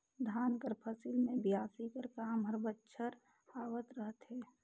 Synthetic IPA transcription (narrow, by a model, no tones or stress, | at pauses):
d̪ʱaːnkəɾpʰəsilmẽbjaːsikəɾkaːmɦəɾbətːʃʰəɾ | aːwət̪ɾəɦət̪ɦɛː